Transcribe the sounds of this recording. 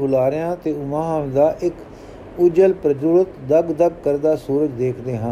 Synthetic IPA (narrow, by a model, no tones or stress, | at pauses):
ɦʊlaːɾɪjãːt̪eːʊmãːɦãd̪aːʔɪk | ʊd͡ʒəlpɾəd͡ʒʊɾət̪d̪əɡd̪əɡ̚kəɾd̪aːsuːɾəd͡ʒd̪eːkʰd̪eːɦə̃n